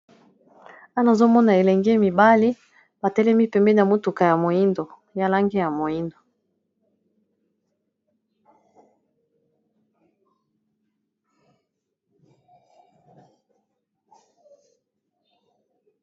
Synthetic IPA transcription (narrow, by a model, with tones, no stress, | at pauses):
a˦na˨zo˦mɔ˦na˨e˨lɛ˨ŋɡe˦mi˨ba˦li˦ | ba˨tɛ˦lɛ˦mi˦pɛ˨mbɛ˦na˨mo˦tu˨ka˨ja˨mo˨i˦ndo˨ | ja˦la˦ŋɡe˦ja˨mo˨i˦ndo˨